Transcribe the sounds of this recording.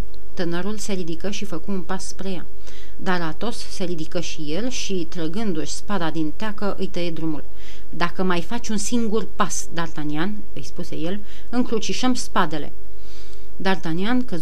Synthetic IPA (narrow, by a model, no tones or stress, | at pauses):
t̪ɨnəɾulse̞ɾid̪ikəʃifəkuunpasːpɾe̞ja̰ | d̪arat̪o̞sːe̞ɾid̪ikəʃije̞lʃit̪ɾəɡɨnd̪uʃʲspad̪ad̪int̪eakəʔɨjt̪əed̪ɾumṵl | d̪akəmajfat͡ʃʲunsiŋɡurpas | d̪art̪anian | ɨjspuse̞̰je̞l | ɨŋkɾut͡ʃiʃəmspad̪e̞le̞̰ | d̪art̪aniankəz